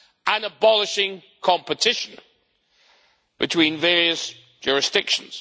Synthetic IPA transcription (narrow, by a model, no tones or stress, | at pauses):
ʔə̃nəbɒlɪʃɪ̃ŋ | kʰɒ̃mpətʰɪʃə̃n | b̥ɪtʰw̥ĩːnvɛːɹiəs | ʒ̥ɔːɹɪsd̥ɪkʃə̃nz̥